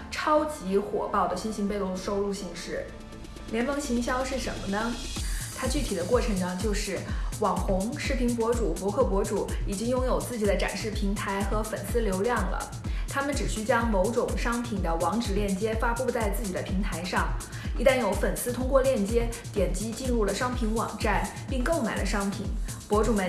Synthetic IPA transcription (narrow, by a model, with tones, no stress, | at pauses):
ʈ͡ʂʰɑ˥ʊt͡ɕi˧˥xwɔ̰˨˩pɑ˥˩ʊd̪ə˩ɕi˥nɕi˧˥ŋpe˥˧ɪlo˥˩ʂo˥˧ʊlu˥˧ɕi˥˧ŋʂɻ̩˥˩ | ljɛ˧˥nmɤ˧˥ŋɕi˧˥ŋɕjɑ˥ʊʂɻ̩˥˩ʂə˧˥nmə˧nə˧˩t̪ʰa˥t͡ɕy˥˩i˨˩d̪ə˦kwɔ˥˩ʈ͡ʂʰɤ˧˥ŋʈ͡ʂə˧t͡ɕjo˥˧ʊʂɻ̩˥˩wɑ˨˩ŋxʊ˧˥ŋʂɻ̩˥˩pʰi˧˥npwɔ˧˥ʈ͡ʂu˨˩pwɔ˧˥kʰɤ˥˩pwɔ˧˥ʈ͡ʂu˨˩˦i˨˩t͡ɕi˥ŋjʊ˥ŋjo˨˩ʊt͡sɹ̩˥˩t͡ɕi˨˩d̪ə˦ʈ͡ʂa̰˨˩nʂɻ̩˥˩pʰi˧˥ŋt̪ʰa˧˥ɪxɤ˧˥fə˨˩nsɹ̩˥ljo˧˥ʊljɑ˥˩ŋlə̰˩ | t̪ʰa˥mə˨nʈ͡ʂɻ̩˨˩ɕy˥t͡ɕjɑ˥ŋmo˧˥ʊʈ͡ʂʊ˨˩ŋʂɑ˥ŋpʰi˨˩ŋd̪ə˦wɑ˧˥ŋʈ͡ʂɻ̩˨˩ljɛ˥˩nt͡ɕjɛ˥fa˥pu˥˧t͡sa˥˧ɪt͡sɹ̩˥˩t͡ɕi˨˩d̪ə˦pʰi˧˥ŋt̪ʰa˧˥ɪʂɑ˥˩ŋ | i˧˥t̪a˥˩njo˧˥ʊfə˨˩nsɹ̩˥t̪ʰʊ˥ŋkwɔ˥˧ljɛ˥˩nt͡ɕjɛ˥t̪jɛ˨˩nt͡ɕi˥t͡ɕi˥˧nɻu˥˩lə˩ʂɑ˥ŋpʰi˧˥nwɑ̰˨˩ŋʈ͡ʂa˥˩ɪ | pi˥˧ŋko˥˩ʊma˨˩ɪlʔə˦ʂɑ˥ŋpʰḭ˨˩˦ŋ | pwɔ˧˥ʈ͡ʂu˨˩mə˦˥